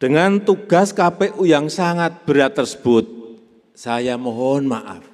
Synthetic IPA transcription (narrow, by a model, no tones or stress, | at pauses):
ɖ̥əŋant̪uɡ̥a̤skapɛʔujaŋsaŋat̪̚b̥əɾat̪ːərsə̥b̥ʊt̪̚ | sajamɔɦɔnmaʔa̰f